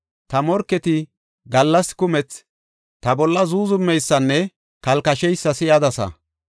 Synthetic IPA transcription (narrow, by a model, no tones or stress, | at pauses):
t̪ɐmɔɾkːɛt̪ɪ | ɡɐlːɐskʊmɛt͡s | t̪ɐbɔlːɐzuːzʊmːɛjsːɐnːɛ | kɐlkɐʃɛjsːɐsɪjɐd̪ɐsɐ̰